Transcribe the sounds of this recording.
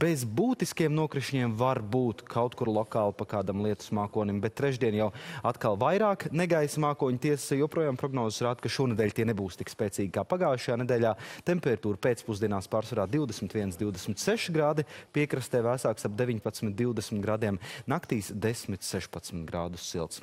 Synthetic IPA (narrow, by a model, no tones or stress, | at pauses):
b̥ezbuːt̪iskijɛmnuɔkɾiʃiɲiɛmvaɾbuːt̪kʰawt̪kuɾlˠɔkaːlˠpakaːd̪amlˠiɛt̪u̥smaːkuɔnʲimbɛt̪ːɾɛʒd̪iɛnjawat̪kalˠvajɾaːknɛɡajsmaːkuɔɲt̪iɛssjuɛɔpɾuɔjaːmpɾɔɡnɔːzsɾaːd̪kaʃuɔnɛd̪ɛːlʲt̪iɛnɛbuːst̪i̥kspɛːtsiːɡ̚ʲkaːpaɡaːjʃajaːned̪ɛːʎʲaːt̪ɛmpɛɾat̪uːɾpeːt̪spuzd̪iɛnaːspaːɾsʋaɾaːd̪iwd̪ɛsmɪt̪ʋiɛnsd̪iwd̪esmɪt̪sɛʃɡɾaːd̪ipiɛkɾɐst̪ɛːvæsaːksab̚d̪evʲiɲpat̪smɪt̪̚d̪iwd̪ɛsmʲiɪt̪ɡɾaːd̪iɛmnakt̪iːsd̪esmit̪sɛʃpat̪smit̪ɡɾaːd̪u̥sːilˠt̪s